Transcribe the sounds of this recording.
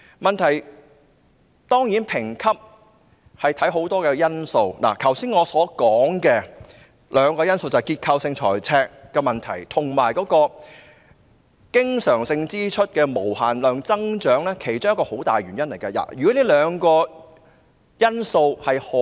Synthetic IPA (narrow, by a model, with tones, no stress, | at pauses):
mɐ˨nt̪ʰɐ˨˩j | t̪ɔː˥ŋjiː˨˥npʰɪ˨˩ŋkʰɐ˥p̚ | hɐ˨jt̪ʰɐ˨˥jɦo˨˥wt̪ɔː˥kɛ˧jɐ˥nso˧wna̰ː˨˩kʰɐ˨˩wsiː˥nŋɔː˨˧sɔː˨˥kɔː˨˥ŋkɛ˧ | lʔœː˨˧ŋkɔː˧jɐ˥nso˧wt͡sɐ˨kiː˧t̚kʰɐ˧wsɪ˧ŋt͡ʃʰɔ̰ː˨˩jt͡sʰɛː˧kːɛː˧mɐ˨nt̪ʰɐ̰˨˩jt̪ʰʊ˨˩ŋmaː˨˩jkɔː˨˥kɔː˧ | kɪ˥ŋsœː˨˩ŋsɪ˧ŋt͡siː˥t͡ʃʰɵ˥t̚kɛː˧mo˨˩whaː˨nlœː˨˧ŋt͡sɐ˥ŋt͡ʃœː˨˥ŋlɛː˥kʰe˨˩jt͡ʃʊ˥ŋjɐ˥kːɔː˧ho˨˥wt̪a̰ː˨jɥyː˨˩njɐ˥nle˨˩jkɐ˧ja̰ː˨˩jyː˨˩kɔ˨˥niː˥lœː˨˧ŋkɔː˧ | jɐ˥nso˧whɐ˨jho˨